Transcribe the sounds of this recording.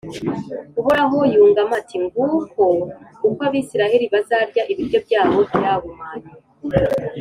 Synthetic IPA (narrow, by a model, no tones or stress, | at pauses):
kuβuɾaɦujuːŋɡamatʰiŋɡuko̞ukwaβisiɾaheɾiβazaɾɟaʔiβiɾjo̞bɟaːβo̞bjaβumaɾi